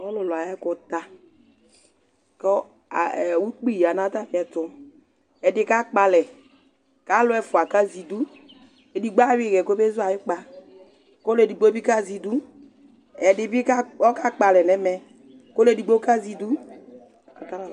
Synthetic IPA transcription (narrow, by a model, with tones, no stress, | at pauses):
ɔ˦lʊ˨lʊ˨a˨jɛ˦kɔ˨ta˦ | kɛ˦ | a̰˨wu˦k͡pi˦˨a˨nã˨˦ta˦˨fi˨˦ɛ˨tʊ˨˦ | ɛ˨dɪ˦ka˦k͡pa˨lɛ˨ | ka˦lʊ˦ɛ˨fʊ˨a˨ka˦zi˨du˦ | e˨di˨ɡ͡ba˦wɪ˦˨ɣɛ˨ko˦be˦zʊ˦a˨jɪ˦k͡pa˦ | ko˦lɛ˨di˨ɡ͡bo˦bi˦ka˦zi˨du˦ | ɛ˨dɪ˨bi˦ka˦ɔ˦ka˦k͡pa˨lɛ˨nɛ˨˦mɛ˦ | ko˦lɛ˨di˨ɡ͡bo˦ka˦zi˨du˦˨ | a˨ta˦la˨